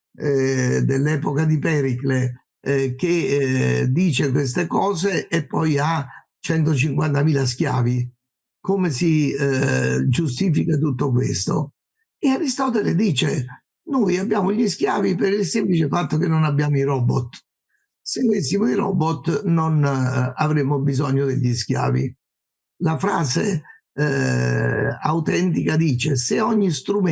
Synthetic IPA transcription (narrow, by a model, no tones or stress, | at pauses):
ɛd̪elːɛːpokad̪ipɛɾikle | k̟e | d̪iːt͡ʃekwest̪ekɔːzeʔːpːɔja | t͡ʃɛnt̪ot͡ʃiŋkwant̪amiːlas̬kja̰ːvi | komesi | d͡ʒust̪iːfikat̪̬ut̪ːok̬wḛst̪o̰ | eaɾist̪ɔːt̪eled̪iːt͡ʃe | nojabːjaːmoʎisk̟jaːvipɪɾilsemplit͡ʃɪfat̪ːokenːonabːjaːmoirɔbɔt̪ː | sɪnovesːimoiɾɔ̰bɔt̪ːnonavɾemːobizɔɲːod̪ḛʎːiskja̰ːvḭ | lafɾaːze | a̰wt̪ɛnt̪ikad̪iːt͡ʃeseɔɲːist̪ɾum